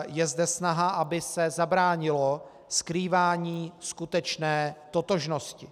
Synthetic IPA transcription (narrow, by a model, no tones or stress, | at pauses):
jɛzdɛsnaɦaʔabɪsɛzabɾaːɲɪlo | skɾiːvaːɲiːskut̪ɛt͡ʃnɛːt̪ot̪o̞ʒno̞scɪ